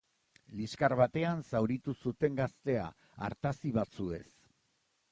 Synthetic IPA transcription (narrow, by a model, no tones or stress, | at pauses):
liskaɾβat̪e̞ansawɾit̪usut̪e̞ŋɡast̪e̞a̰ | a̰ɾt̪asiβat͡sue̞̰s